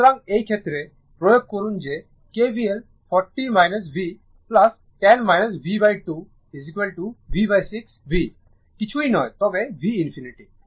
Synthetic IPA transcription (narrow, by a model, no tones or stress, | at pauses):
ɾãŋɡejkʰet̪ɾe | pɾɔjoɡ̚kɔɾund͡ʒe | kebiel | pʰɔɾʈːimajnəs̬bi | plɐs | ʈɛnmajnəs̬bibajʈu | izikʋelʈuʋibajsiksbi | kit͡ʃʰuinɔjt̪ɔɡeʋiːnpʰiniʈi